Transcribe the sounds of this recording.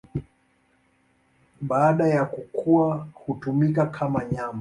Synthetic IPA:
ɓaːɗajakukʰuahutumikakʰamaɲama

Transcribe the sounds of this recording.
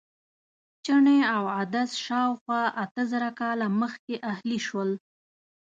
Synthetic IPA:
t͡ʃəɳeawad̪asʃɑwxwɑʔat̪əzəɾakɑlaməxkeʔahliʃwəl

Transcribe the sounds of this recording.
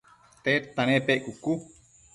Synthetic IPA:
t̪et̪ːanepeʔkukːu

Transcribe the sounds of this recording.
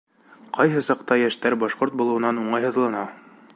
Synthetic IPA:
qɑjɦɤsɑqt̪ɑjæʃt̪æɾbɑʃqoɾt̪̚bulˠɤ̆wɤ̆nɑnuɴɑjɦɤ̆ðlˠɑnɑ

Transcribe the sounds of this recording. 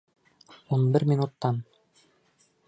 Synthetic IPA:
unbiɾmʲinut̪ːɑn

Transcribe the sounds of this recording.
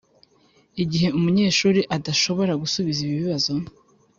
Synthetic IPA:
iɟiɦe̞umuɲe̞ːʃuːɾiʔadaʃo̞βo̞ɾaɡusuβiziβiβiβazo̞

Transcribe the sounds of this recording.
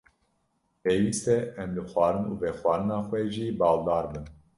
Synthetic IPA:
peːwiːst̪ɛʔɛmlɨxwʷɑːɾɨnuːvɛxwɑːɾɨnɑːxʷwɛʒiːbɑːld̪ɑːɾbɨn

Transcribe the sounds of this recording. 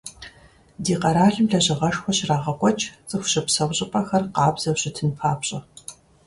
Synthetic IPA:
diːqɐɾaːɮɨmɮɐʑɪʁɐʂxʷɔɕraːʁɐkʷʼɔt͡ʃʰʼt͡sʼɨxʷʊɕɪpsɐwɕʼɪpʼɐxɐrqɑːbz̥ɐwɕʼɪtʰɨnpʰaːpɕʼɪ

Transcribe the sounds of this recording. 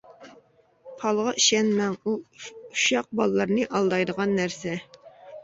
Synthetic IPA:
pʰɑlˠʁɑʔiʃɛnmɛŋuuʃɑq̚bɑlˠlːˠɑɾnɨʔɑlˠd̪ɑjd̪əʁɑnːæɾsɛ

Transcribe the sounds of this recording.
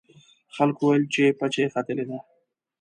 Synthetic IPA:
xalkowajlt͡ʃepat͡ʃexat̪ɪled̪a

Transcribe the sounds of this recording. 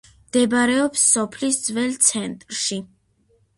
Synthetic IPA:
md̪ɛbaɾɛɔpsːɔpʰlisd̪zvɛlt̪sʰɛnt̪ʼɾʃi

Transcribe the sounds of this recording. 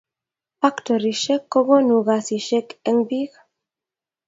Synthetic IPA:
fakt̪oɾiʃekːoɣonuɣasiʃekeŋbiɣ

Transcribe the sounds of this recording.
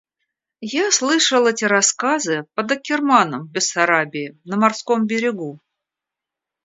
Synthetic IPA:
jaslˠɨʂəlˠɛtʲɪɾɐskazɨpəd̪əkʲːɪrmanəmbʲɪsɐɾabʲɪɪnəmɐrsko̞mbʲɪɾʲɪɡu

